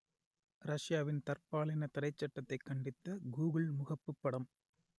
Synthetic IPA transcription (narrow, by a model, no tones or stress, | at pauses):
ɾɐʂjaːʋɪnt̪ɐrpaːɭɪnɐt̪ɐɾɐɪt͡ʃːɐʈːɐt̪ːɐɪkːɐɳɖɪt̪ːɐɡuːɣɐɭmʊɣɐpːɯpːɐɽɐm